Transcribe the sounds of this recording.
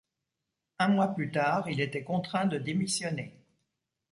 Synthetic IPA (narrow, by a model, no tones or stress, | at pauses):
ɛ̃mwaplyt̪aːʁilet̪ɛkɔ̃t̪χɛ̃d̪əd̪emisjɔne